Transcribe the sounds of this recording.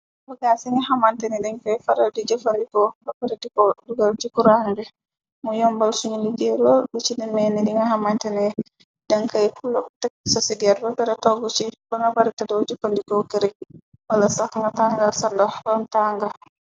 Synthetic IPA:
baɡasiŋaɦamantɛnɛdɛŋkajfaɾadid͡ʒafandikɔbabɛɾɛdikɔduɡald͡ʒikuɾandɛ | mujɔmbalsuɲiliɡɛɾɔlbit͡ʃidinmɛnɛdiŋɡaɦamantɛnɛ | daŋkajkulɔtɛk̚sɔsidiɛɾbapɛɾɛtɔɡut͡ʃibaŋɡabaɾɛtadɔwd͡ʒafandikɔkɛɾɛ | walasaŋɡataŋɡalsandabantaŋɡal

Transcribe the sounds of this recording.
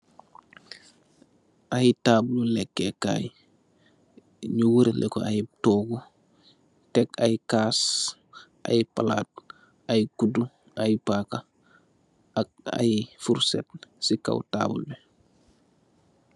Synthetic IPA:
ʔajitaːbululɛkːɛka̰ːj | ɲuwuɾelʔɛ̰kɔ̰ʔajitɔːɡu | tɛkajikaːs | ʔa̰jipalaːt̚ | ajkudu | ajpaːka | ak̚a̰jifuɾsɛ̰t̚sika̰wta̰ːbṵlbe

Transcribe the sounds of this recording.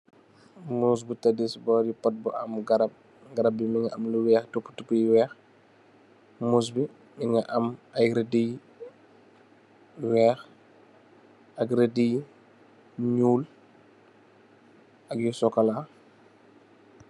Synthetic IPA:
muːs̬butɐdisbɔːjupɐt̚buʔɐmɡɐɾɐp̚ | ɡɐɾɐb̚ːimiŋɐʔɐmluwɛːxtupːu̥tupːujiwɛːx | muːs̬bi | miŋɡɐʔɐmɐjɾedij | wɛːx | ɐkɾedij | ɲuːl | ɐkjusɔkɐla

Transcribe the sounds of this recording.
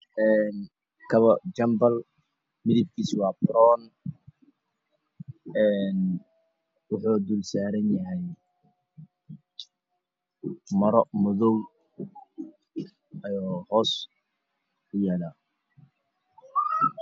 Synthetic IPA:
ʔɛːn | kʰɐβɐt͡ʃɐmbɐl | mɪðib̚kʰiːswɑːbɾɔːn | ɛːn | wʊħuːd̪ulsaːɾɐnjɐɦɛj | mɐɾɔmʊðɔw | ɐjɔːhɔːs | ʊjaːlaː

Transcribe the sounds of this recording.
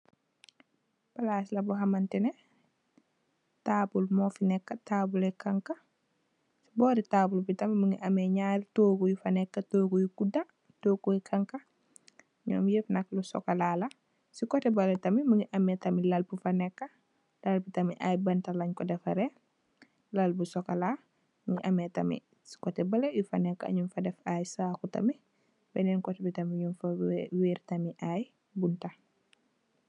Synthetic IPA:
b̥ɐlaːslɐbɔɦɐmɐntɛnɛ | taːbulmɔːfinɛkːɐtaːbulɛkɐŋkɐ | si̥bɔːɾitaːbulbitɐmiməŋiʔɐmɛɲaːɾitoːkujufɐnɛkːɐtoːkujukuda | toːkujkʰaŋkɐ | ɲɔ̰ːmjefnɐklusɔ̰kalaːlɐ | sikɔtɛbɐletɐmimuŋiʔɐmɛtɐmilɐlpufanɛkːɐ | lɐlputɐmiʔajbɐntalɐɲkɔdɛfɐɾɛ | lalbusɔkala | muŋiʔɐmɛtɐmḭ | si̥kɔtɛbɐlɛjufanɛkːaa̰ɲumfɐdɛfajsaːkutɐ̰mi | bɛnɛnkɔtɛbitɐmiɲunfaweːɾtɐmiʔaj | bunta

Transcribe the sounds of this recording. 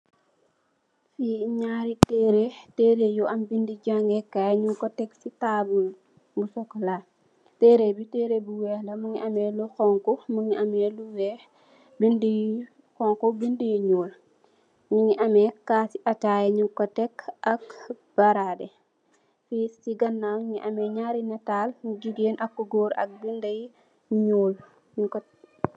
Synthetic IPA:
fiɲaɾitɛːɾeteːɾejuʔɐmbindiɟaŋɡɛkajɲukɔtɛksitaːbul | busɔkːla | tɛːɾebiteːɾebuwɛhlɐmuŋiʔɐmɛluxɔŋkɔmuŋiʔɐmɛluwɛh | bindi | xɔŋkɔbindijɲoːl | ɲuɲiʔɐmɛkasiʔɐtajɲukɔtɛkːɐk | b̥ɐɾaːdɛ | fistiɡɐnːaːɲiʔɐmɛɲaːɾinɐtaːlɡiɡeːnʔɐkːuɡoɾɐ̰k̚bindɐj | ɲoːl | ɲuk

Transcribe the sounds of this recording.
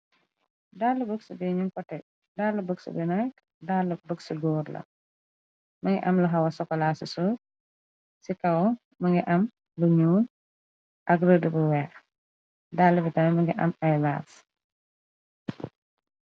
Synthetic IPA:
daːlːubəksubɛɲuŋkɔtːɛ | dalːubəksṵbinak | daːlːubəksuɡɔːɾlɐ̰ | mɐŋɡɛ̰ʔɐmluɦɐwɐsɔkːɔlaːsusuːt̚ | sikɐw | mɐŋɡɛʔɐm | luɲuːn | ʔɐkrədəbəwɛːx | daːlːubitɐmɛmɐŋɡiʔɐ̰mɐjla̰ːs

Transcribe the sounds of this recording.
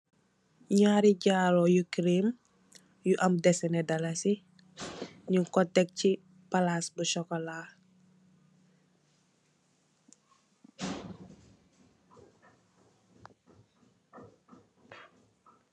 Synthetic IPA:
ɲaɾiɟaːlojukɾim | juʔɐmdɛsɛnɛdɐlasi | ɲukɔtːɛk̚ci | palasbuʃɔkɔlaː

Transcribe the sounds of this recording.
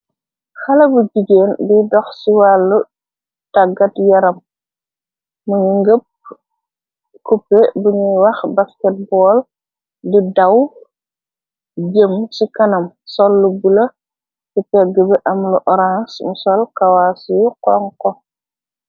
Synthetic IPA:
xɐlɐbud͡ʒiɡeːnbidɔxsiwalːu | taɡɐtjɐɾɐm | muɲuŋɡəp̚ | kupːebuɲuwɐxbaskɛt̚bɔːl | didɐw | ɟəmsikɐnɐm | sɔlːubulɐ | tipɛɡəbɛʔɐmluʔɔɾãnsmusɔlkawaːsujukɔŋkɔ

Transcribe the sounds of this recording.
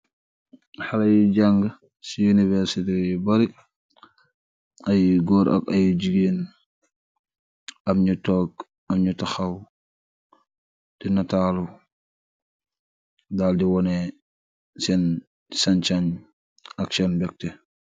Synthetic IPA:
halajd͡ʒaŋɡa | sijunivɛɾsitɛbaɾi | ajɡɔːɾʔa̰kajd͡ʒiɡen | ʔamɲutɔːk | amɲutaxaw | d̥inatalu | daldiwɔnɛ | sɛn | sant͡ʃaɲ | aksɛnbɛk̚tɛ

